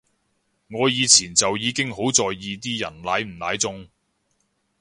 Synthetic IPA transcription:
ŋɔː˨˧jiː˨˧t͡sʰiː˨˩nt͡sɐ˨wjiː˨˧kɪ˥ŋɦo˨˥wt͡sɔː˨jːiː˨˧t̪̬iː˥jɐ̰˨˩nlaː˨˥jm̩˨˩laː˨˥jt͡sʊ˧ŋ

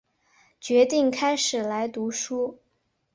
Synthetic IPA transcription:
t͡ɕɥɛ˧˥t̪i˥˩ŋkʰa˥ɪʂɻ̩˨˩la˧˥ɪt̪u˧˥ʂu˥

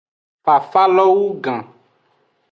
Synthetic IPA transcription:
fa˨fa˦lɔ˦wu˦ɡã˨

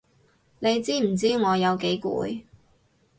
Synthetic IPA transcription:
ne˨˧jt͡siː˥m̩˨˩t͡siː˥ŋɔː˨˧jɐ˨˧wke˨˥jkṵː˨˥j

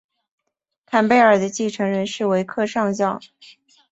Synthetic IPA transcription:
k̪ʰa˨˩npe˥˩ɪə˞˨˩d̪ə˦t͡ɕi˥˩ʈ͡ʂʰɤ˧˥ŋɻə˧˥nʂɻ̩˥˩we˧˥ɪkʰɤ˥˧ʂɑ˥˧ŋɕjɑ˥˩ʊ

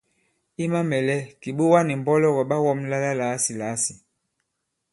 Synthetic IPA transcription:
i˦ma˦mɛ˨lɛ˦ki˨ɓu˦wa˦ni˨m˨bɔ˦lɔ˦ɣɔ˨ɓa˦wɔ˦mla˦la˦la˨˦si˨la˨˦si˨

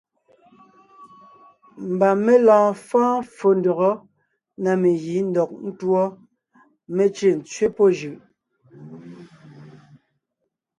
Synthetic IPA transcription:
m̩˨ba˨me˦lãː˨fãː˦fo˨n̩˨dɔ˨ɣɔ˦ | na˨me˨ji˨˦n̩˦dɔ˨k̚n̩˦twɔ˦ | me˦t͡ʃe˦˨n̩˨t͡sɥe˦pɔ˦ʒɯ˨ʔ

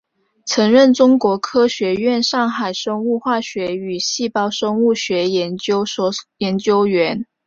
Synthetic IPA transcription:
t͡sʰɤ˧˥ŋɻə˥˩nʈ͡ʂʊ˥ŋkwɔ˧˥kʰɤ˥ɕɥɛ˧˥ɥɛ˥˧nʂɑ˥˩ŋxa˨˩ɪʂɤ˥ŋu˥˧xwa˥˩ɕɥɛ˧˥y˨˩ɕi˥˩pɑ˥ʊʂɤ˥ŋu˥˩ɕɥɛ˧˥jɛ˧˥nt͡ɕjo˥ʊ˥jɛ˨˧˥nt͡ɕjo˥ʊɥɛ˧˥n

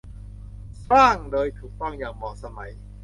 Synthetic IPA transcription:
saː˥˩ŋdoː˧jt̪ʰuː˨˩k̚t̪ɔ˥˩ŋjaː˨˩ŋmɔː˨˩sa˧ma˩˦j

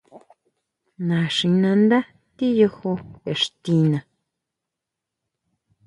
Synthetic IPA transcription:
nã˨ʂĩ˧nã˧nd̪a˦ | t̪i˦jo˧ho˧e˨ʂt̪i˧nã˧

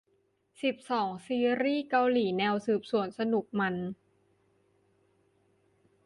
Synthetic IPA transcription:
si˨˩p̚sɔː˩˦ŋsiː˧ɾiː˥˩ka˧wliː˨˩˦nɛː˧wsɯː˨˩p̚su˨˩˦ənsa˧nu˨˩k̚ma˧n

